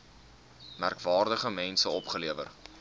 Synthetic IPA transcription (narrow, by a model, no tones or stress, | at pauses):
mærkvɑːrdəχəmɛnsəɔpχəliəvə̰r